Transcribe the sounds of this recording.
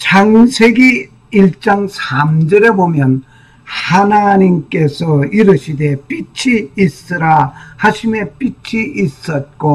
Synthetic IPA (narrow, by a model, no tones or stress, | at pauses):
t͡ɕaŋsʰe̞ɡi | iɭt͡ɕ͈aŋsʰamd͡ʑʌɾe̞bomjʌn | hanaɲimk͈e̞sʰʌiɾɯɕʰide̞p͈it͡ɕʰiis͈ɯɾahaɕʰime̞p͈it͡ɕʰiʔːs͈ʌt̚k͈o